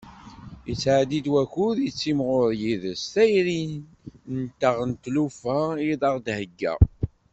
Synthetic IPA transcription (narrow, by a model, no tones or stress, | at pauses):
jət͡sːʕad̪id̪wæçʊðjət͡sːimʁʊɾjiðəstæjɾin | nt̪əʁənt̪lufæiðˤɑʁd̪həɡːæ̰